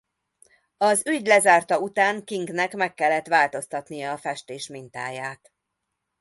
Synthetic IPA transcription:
ɒzyɟlɛzaːrt̪ɒut̪aːŋkiŋɡnɛkmɛkːɛlːɛt̪ʋaːlt̪o̞st̪ɒt̪nijɒːfɛʃt̪eːʃmint̪a̰ːjaːt̪

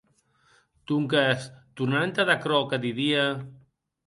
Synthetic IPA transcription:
t̪uŋkast̪urnant̪aðakɾɔkad̪iðia

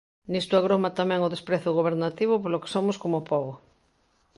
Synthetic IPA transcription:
nist̪aɣ̞ɾomat̪amɛ̃ŋʊðespɾeθoɣoβ̞eɾnat̪iβopoloke̥somʊskomopɔɣo

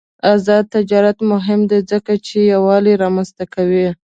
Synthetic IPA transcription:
azɑd̪̚t̪ɪd͡ʒɑɾat̪mʊɦɪmd̪ezəkat͡ʃejawɑliɾɑmanzt̪akawi

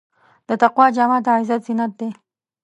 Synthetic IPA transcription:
d̪ət̪aqwɑd͡ʒamɑt̪aʕɪzat̪zɪnat̪̚d̪e

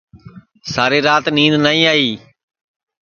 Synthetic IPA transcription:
saːɾeːɾaːt̪nĩːd̪naːĩːaːiː

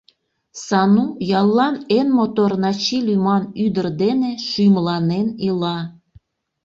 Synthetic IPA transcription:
sɑnujɑlˠːɑnenmot̪ornɑt͡ɕilʲymɑnyd̪ərd̪eneʃyjmlɑnenilɑ

